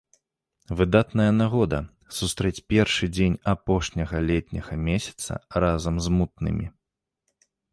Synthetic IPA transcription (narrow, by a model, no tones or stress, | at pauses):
vɨd̪at̪nɐjɐnaɣɔd̪ɐ | sust̪ɾɛt͡sʲpʲɛrʂɨd͡zʲenʲapɔʂnʲɐɣɐlʲɛt̪ʲnʲɐɣɐmʲesʲɐ̥t̪sɐ̰razɐmzmut̪̚nɨ̰mʲḭ